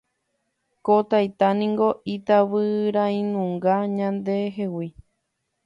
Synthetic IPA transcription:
kot̪ajt̪anĩŋɡo̞it̪aβɨɾãĩnũŋɡaɲãnd̪e̞ɦewi

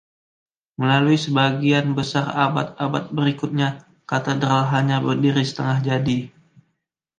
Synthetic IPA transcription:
məlaluisəbaɡianbəsara̰ba̰t̪̚abat̪̚bəɾikʊt̪̚ɲa | kat̪edɾalɦaɲabərdiɾisə̥t̪əŋahd͡ʒadi

